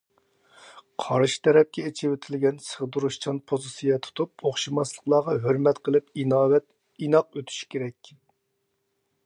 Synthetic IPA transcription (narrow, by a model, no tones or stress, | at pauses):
qʰɑɾʃi̥t̪ʰɛɾɛp̚kʲɛet͡ʃʰɪwet̪ʰɪlɡʲɛnsəʁd̪uɾuʃt͡ʃʰɑnpʰozɨsijɛt̪ʰu̥t̪ʰup̚oχʃimɑslˠəqlˠɑːʁɑɦøɾmɛt̪qʰəlˠɨpinɑːwɛt̪ | inɑqøt̪ʰy̥ʃi̥kʲʰeɾɛkʲ